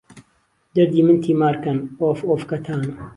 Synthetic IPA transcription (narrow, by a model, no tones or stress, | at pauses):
d̪ɐɾd̪iːmɨnt̪ʰiːmaːɾkɐnoːfoːfkɐt̪ʰaːnɐ